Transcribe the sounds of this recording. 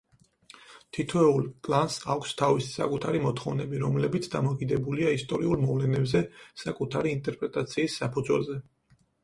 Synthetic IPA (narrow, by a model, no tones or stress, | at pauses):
t̪ʰit̪ʰɛulˠkʼlˠansakʷʰst̪ʰavisi̥sa̰kʼut̪ʰaɾimɔt̪ʰχɔvnɛbiɾɔmlɛbit̪sʰd̪amɔkʼid̪ɛbuliaist̪ʼɔɾiulˠmɔvlɛnɛbzɛsakʼut̪ʰaɾiːnt̪ʼɛɾpʼɾɛt̪ʼat̪sʰiːsːapʰud̪zwɛ̰lzɛ